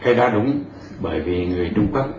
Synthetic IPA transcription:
ha˧ɗaː˧ɗʊ˧˦ŋ͡m | ɓəː˧˩jvi˨˩ŋɨ˨˩əjt͡ɕʊ˧ŋ͡mkwaː˦˥k̚

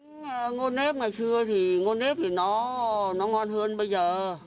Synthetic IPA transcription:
ə˧˩ŋo˧ne˦˥p̚ŋa˨˩jsɨ˧ət̪ʰi˨˩ŋo˧nːe˦˥p̚t̪ʰi˨˩nɔ˨˦nɔ˨˦ŋɔ˧nɦəː˧nɓə˧jzəː˨˩

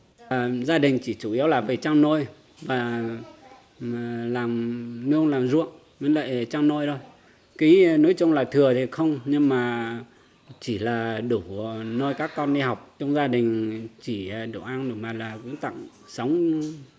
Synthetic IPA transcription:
zaː˧ɗï˨˩ŋ̟t͡ɕi˧˩t͡ɕu˧˩˨i˨˦əwlaː˨˩və˨˩t͡ɕaː˧ŋno˧j | vaː˨˩ | laː˨˩mnɨ˧ənlaː˨˩mzṵ˧˨ən | mi˨˦nlə̰ː˧˨jt͡ɕa˧ŋno˧jɗo˧j | ki˨˦no˨˦jt͡ɕʊ˧wŋ͡mlaː˨˩t̪ʰɨ˨˩ət̪ʰi˨˩xə˧wŋ͡mɲɨ˧ŋmaː˨˩ | t͡ɕi˧˩laː˨˩ɗu˧˩no˧jkaː˦˥kːɔ˧nɗi˧ha˨˩wk͡p̚t͡ɕɔ˧wŋ͡mzaː˧ɗï˨˩ŋ̟t͡ɕi˧˩˨ɗu˧˩ʔaː˧ŋɗu˧˩maː˨˩laː˨˩kʊ̰˧˥ŋ͡mt̪a̰˧˨ŋ | sə˨˦wŋ͡m

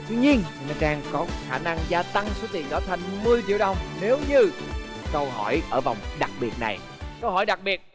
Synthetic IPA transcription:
t̪wi˧ɲi˧ən˨nɔ˨˦ɗaː˧ŋkɔ˨˦xaː˧˩na˧ŋzaː˧t̪a˧ŋso˨˦t̪i˨˩nɗɔ˨˦t̪ʰa˧jŋ̟mɨ˧əjt͡ɕḭ˧˥əwɗə˧wŋ͡mne˨˦wɲɨ˧ | kə˧wɦɔ˧˩jʔəː˧˩va˨˩wŋ͡mɗa˨˩k̚ɓi˨˩ət̚na̰˨˩j | kə˧wɦɔ˧˩jɗa˨˩k̚ɓi˨˩ət̚

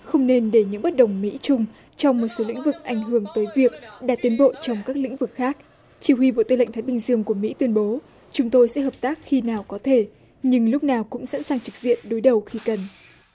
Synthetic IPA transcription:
xə˧wŋ͡mne˧nɗe˧˩ɲɨ̰˧˥ŋɓə˦˥t̚ɗə˨˩wŋ͡mmḭ˧˥t͡ɕʊ˧ŋ͡m | t͡ɕɔ˧wŋ͡mmo˨˩t̚so˨˦lḭ̈˧˥ŋ̟vɨ˨˩k̚ʔa˧˩jŋ̟ɦɨ˧˩əŋt̪əː˨˦jvi˨˩ək̚ɗa̰ː˧˥t̪i˨˦nɓo̰˧˨t͡ɕɔ˧wŋ͡mkaː˦˥k̚lḭ˧˥ŋ̟vɨ˨˩k̚xaː˦˥k̚ | t͡ɕi˧˩hwi˧ɓo̰˧˨t̪ɨ˧l̰ŋ̟t̪ʰːjɓï˧ŋ̟zɨ˧əŋku˧˩əmḭ˧˥t̪wi˧ənɓo˨˦ | t͡ɕʊ˨˦ŋ͡mt̪o˧jsɛ̰˧˥ɦəː˨˩p̚t̪aː˦˥k̚xi˧naː˨˩wkɔ˨˦t̪ʰe˧˩ | ɲɨ˧ŋlʊ˦˥k͡p̚naː˨˩wkʊ̰˧˥ŋ͡msa̰˧˥nsaː˨˩ŋt͡ɕɨ˨˩k̚z̥ḭ˧˨ənɗo˨˦jɗə˨˩wxi˧kə˨˩n

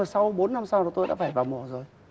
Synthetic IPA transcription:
ə˨˩sa˧wɓo˨˦nːa˧msaː˧wɔ˨˩t̪o˧jɗa̰ː˧˥faː˧˩jvaː˨˩wmɔ˨˩əzo˨˩j

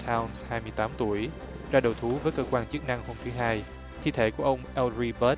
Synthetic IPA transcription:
tʰaː˧wnshaː˧jmɨ˧əjt̪aː˨˦mt̪u˧˩əj | zaː˧ɗə˨˩wt̪ʰu˨˦vəː˨˦jkəː˧kwaː˧nt͡ɕɨ˦˥ək̚na˧ŋho˧mt̪ʰɨ˨˦ɦaː˧j | t̪ʰḭ˧˥t̪ʰe˧˩ku˧˩əʔə˧wŋ͡mʔɛ˧lɹi˧ɓəː˦˥t̚

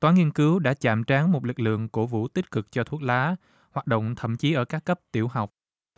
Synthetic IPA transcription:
t̪waː˨˦ŋi˧ənkɨ˨˦wɗa̰ː˧˥t͡ɕa̰ː˧˨mt͡ɕaː˨˦ŋmo˨˩t̚lɨ˨˩k̚lɨ̰˧˨əŋko˧˩vṵ˧˥t̪i˦˥t̟̚kɨ˨˩k̚t͡ɕɔ˧t̪ʰu˦˥ək̚laː˨˦ | haː˨˩t̚ɗo̰˧˨wŋ͡mt̪ʰə̰˧˨mt͡ɕi˨˦ʔəː˧˩kaː˦˥kːə˦˥p̚t̪i˧˩əwɦa˨˩wk͡p̚

